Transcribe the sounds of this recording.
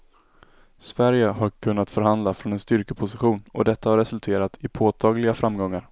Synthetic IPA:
svæɾjəɦaɾkʰɵnːat̪fœɾɦand̪lafɾɔnɛnst̪ʏɾkəpʰʊsɪɧuːnɔ̰d̪ɛt̪ːahaɾɛsɵlt̪ʰeːɾat̪ʰɪpʰoːt̪ʰɑːɡlɪɡafɾamːɡɔŋːaɾ

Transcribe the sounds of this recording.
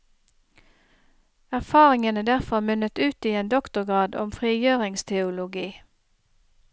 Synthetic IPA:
æʁfɑːʁɪŋənəd̪æʁfɔʁmʉnət̪ʉːt̪iːeːnd̪ɔkt̪ʊʁɡʁɑːd̪ɔ̰mfʁiːjøːʁɪŋst̪ʰɛʊlʊɡiː

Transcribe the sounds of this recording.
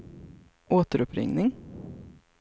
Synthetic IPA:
ʔoːt̪əɾʊpɾɪ̰ŋnɪŋ

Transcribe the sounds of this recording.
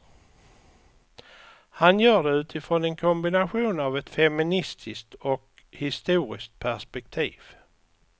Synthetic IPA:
hanjœːɖɛʉ̟ːt̪ʰɪfɾɔnɛnkʰɔmbɪnaɧuːnavɛt̪fɛmɪnɪst̪ʰɪskt̪ɔk | hɪst̪uːɾɪ̰skt̪̚pʰæʂpɛk̚t̪ʰiːv̥

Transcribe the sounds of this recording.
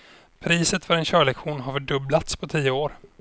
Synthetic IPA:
pʰɾiːsət̪fœɾɛnɕœːɭɛkɧuːnɦaɾfœɖɵblat̪spʰɔt̪ʰiːəoːɾ

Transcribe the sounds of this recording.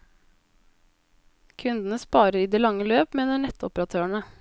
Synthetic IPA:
kʰʉnd̪n̩əspɑːɾəɾiːd̪eːlɑŋəløːpmeːnəɳɛt̪ɔpɾɑt̪ʰøːɳə

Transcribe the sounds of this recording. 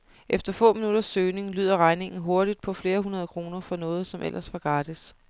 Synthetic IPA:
ʔefd̥ɐfɔ̰̽ːminuɾ̥ɐsøːne̝ŋly̰ːð̞̰ˠɐʁɑ̈ɪne̝ŋn̩ɦo̝ɐɾ̥id̥̚pʰɒ̽fle̝ːɐɦunɐð̞ˠkʰʁo̝ːnɐfɒ̽nɔ̽ːð̞̩ˠsɒ̽mʔelʔɐsʋɑ̈ɡ̥ʁɑːd̥is

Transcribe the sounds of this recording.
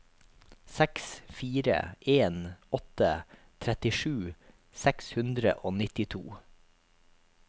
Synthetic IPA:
sɛksfiːɾə̰ʔeːnɔt̪ə | t̪ʰɾɛt̪ɪʃʉː | sɛkshʉnd̪ɾə̰ʔoːnɪt̪ɪt̪ʰṵː

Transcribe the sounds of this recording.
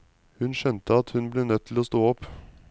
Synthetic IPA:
hʉnʃɛnt̪əɑt̪hʉnbleːnœt̪ʰːloːst̪oːɔp

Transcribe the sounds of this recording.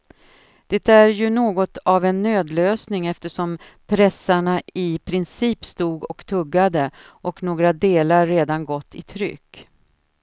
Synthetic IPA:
d̪̥ɛt̪æɾjɵnoːɡɔt̪avɛnːøːd̪løːsnɪŋɛft̪əʂɔm | pʰɾɛsːaɳaʔɪpʰɾɪnsiːpst̪uːɡɔkt̪ʰɵɡːad̪ə | ʔɔknoːɡɾad̪eːlaɾːeːd̪anɡɔt̪ːɪ̰t̪ʰɾʏ̰kː

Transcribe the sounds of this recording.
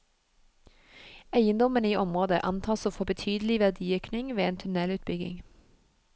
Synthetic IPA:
æɪənd̪ɔmənəiːʔɔmʁoːd̪əʔɑnt̪ʰɑːsoːfɔbət̪ʰyːd̪əl̩ɪʋæʁd̪iːøːknɪŋʋeːeːnt̪ʰʉnɛlʉːt̪̚bʏɡɪ̰ŋ

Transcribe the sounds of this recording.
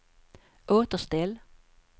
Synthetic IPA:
ʔoːt̪əst̪ɪl

